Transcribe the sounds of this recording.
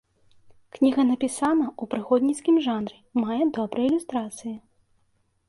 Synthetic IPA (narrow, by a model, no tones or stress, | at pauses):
knʲiɣɐnɐpʲisanɐupɾɨxɔd̪ʲnʲit̪skʲimʐanɾɨmajɛd̪ɔbɾɨjilʲust̪ɾat̪sɨji